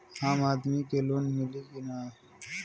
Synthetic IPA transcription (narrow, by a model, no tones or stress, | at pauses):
aːmaːd̪miːkeloːnmɪliːɡinaː